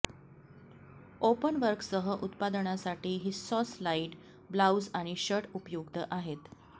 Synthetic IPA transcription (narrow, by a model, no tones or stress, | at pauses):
opənʋəɾksəɦəʔut̪pad̪əɳasaʈiːɦiːsɔslaiʈ | blawd͡zaɽ̃iɕəʈupjuɡd̪əʔaɦet̪